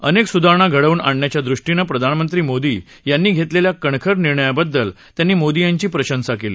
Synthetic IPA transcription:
əneksud̪ʱaɳ̃aɡʱəɽəʋuːna̰ɳnjat͡ɕjad̪ɾuʂʈinəpɾəd̪ʱanmənt̪ɾiːmod̪iː | janːiːɡʱet̪leljakəɳkʰəɾniɾɳəjabəd̪ːəl | t̪janːiːmod̪ijaɲt͡ɕiːpɾəɕənsakelḭː

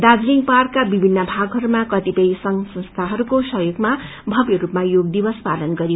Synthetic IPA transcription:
d̪ad͡zliŋɡparkːabibʱinːʌbʱaɡɦʌɾumakʌt̪ipʌjsʌŋsʌ̃nst̪ʰaɦʌɾukosʌɦjoɡma | bʱʌbjʌɾupmajoɡd̪ibʌspalʌnɡʌɾio

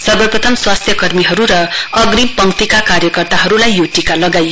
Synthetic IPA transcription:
sʌbʌjprʌt̪ʰʌmswast̪ʰjʌkʌrmiɦʌɾuɾʌʌɡrimpʌŋkt̪ikakaɾjʌkʌrt̪aɦʌɾulajːoʈikalʌɡaj

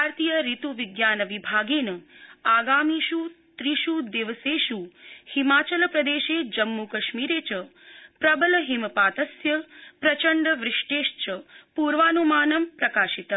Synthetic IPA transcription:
bʱaːɾt̪ijəɾit̪uʋiɡjaːnɐʋibʱaːɡeːnɐaːɡaːmiʃu | t̪ɾiʃud̪eʋəseːʃuhimaːt͡ʃɐlpɾɐd̪eːʃeːd͡ʒɐmːukɐʃmiːɾeːt͡ʃəpɾɐbəlɐɦimpaːt̪ɐsjɐpɾɐt͡ʃəɳɖəʋɾɪʂʈeːʃt͡ʃəpuːɾʋaːnumaːnɐmpɾɐkaːʃit̪

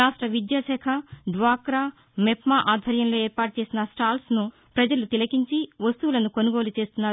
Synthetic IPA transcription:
aːʂʈɾɐʋid̪jaʃɛkʰɐɖʋaːkɾaː | mɛpmaːʔaːd̪ʱʋɐɾjɐmlo̞ːeːɾpaːʈ̚ut͡ʃe̞ːsinɐsʈaːlsnu | pɾɐd͡ʒɐlut̪ilɐkiɲt͡ʃiʋɐst̪uʋlɐnuko̞nuɡo̞ːlut͡ʃe̞ːst̪unːaː

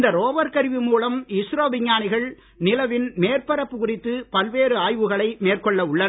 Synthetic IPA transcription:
nd̪ɐɾoːʋɐɾkɐɾɪʋɪmuːlɐmɪsɾoːʋɪɲːaːnɪɣɐɭ | nɪlɐʋɪnmeːrpɐɾɐpːɯkʊrɪt̪ːɯpɐlʋeːɾɯaːjʋɯɣɐɭɐɪmeːrkɔɭːɐʊɭːɐn

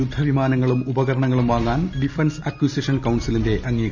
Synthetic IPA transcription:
jud̪ʱːɐʋimaːnɐŋːɐɭumubɐɣɐɾɐɳɐŋːɐɭumʋaːŋːaːnɖifɐnsɐkjusiʂɐnkɐwnsilinde̞ʔʔɐŋːiːɣ

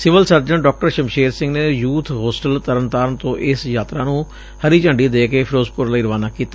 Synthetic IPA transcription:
sɪʋəlsəɾd͡ʒəɳɖɔːk̚ʈəɾʃəmʃeːɾsɪ̃ŋɡneːjuːt̪ʰɦoːsʈəlt̪əɾənt̪aːɾənt̪õːʔɪsjaːt̪ɾaːnũː | həɾiːt͡ʃəɳɖiːd̪eːkeːpʰɪɾoːzpʊɾlaiːɾəʋaːnaːkiːt̪a

